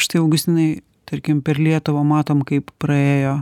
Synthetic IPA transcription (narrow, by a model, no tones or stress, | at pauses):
ʃt̪ɐɪɐʊɡʊst̪ʲɪnɐɪ | t̪ɐɾʲkʲɪmpʲɛɾlʲiɛt̪ʊʋɐmɑːt̪oːmkɐɪppɾɐeːjoː